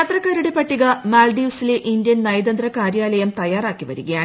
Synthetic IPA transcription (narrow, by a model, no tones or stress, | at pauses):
ɐt̪rɐkːaːɾuɽe̞pɐʈːiɣɐmaːlɖiʋsileʔind̪jɐnnɐjd̪ɐnd̪rɐkaːɾjaːlɐjɐmt̪ɐjaːraːkːiʋɐɾuɣɐjaːɳ